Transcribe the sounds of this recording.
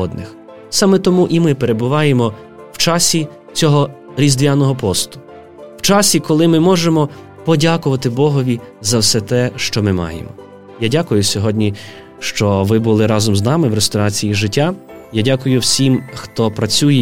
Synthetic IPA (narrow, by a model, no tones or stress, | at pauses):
ɔd̪nɪx | sɑmɛt̪ɔmuʔimɪpeɾe̞bʊʋɑjemɔ | wt͡ʃɑsʲi | t͡sʲɔɦɔ | ɾʲizd̪ʋʲanɔɦɔpɔst̪ʊ̥ | w̥t͡ʃɑsʲikɔlˠɪmɪmɔʒemɔ | pɔdʲakʊʋɐt̪ɪbɔɦɔʋʲizɐwsɛt̪ɛʃt͡ʃɔmɪmɑ̰jḛmɔ̰ | jadʲakʊjʊsʲɔɦɔdʲnʲi | ʃt͡ʃɔʋɪbʊlˠɪɾɑzɔmznɑmɪwɾest̪ɔɾɑt͡sʲijiʒɪtʲːa | jadʲakʊjʊwsʲimxt̪ɔpɾɐt͡sʲujɛ